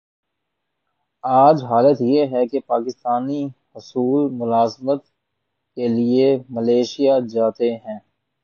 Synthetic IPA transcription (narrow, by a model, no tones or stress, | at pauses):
aːd͡ʒɦaːlət̪jeɦɛkepaːkɪst̪aːnihʊsuːlmʊlaːzmət̪ | keliemɐleːʃijad͡ʒaːt̪eɦɛ̃ː